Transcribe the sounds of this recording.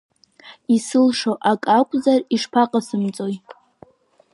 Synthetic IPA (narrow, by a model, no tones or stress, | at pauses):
isɨlʂoʔakʼakʷʼzariʂpʰaqʼasɨmt͡sʼo̞j